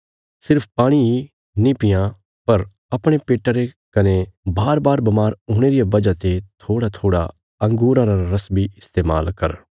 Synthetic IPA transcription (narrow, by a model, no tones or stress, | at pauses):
sɪɾpʰpaːɽ̃ii | nɪpɪjã | pɐɾ | ɐpɽ̃epeːʈaɾe | kɐnebaːɾbaːɾbɐmaːɾoːɽ̃eːɾijabɐd͡ʒat̪et̪ʰoːɽat̪ʰoːɽa̰ | ɐ̃ŋɡuːɾãːɾaɾɐsbiɪst̪eːma̰ːlkɐɾ